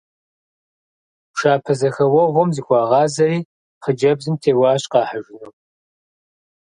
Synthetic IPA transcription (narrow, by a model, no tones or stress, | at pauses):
ʂaːpʰɐzɐxɐwɔʁʷɔmzixʷɑːʁɑːzɐriː | χəd͡ʒɐbzɨmtʰeːwɑːɕqɑːħaʒɪnoː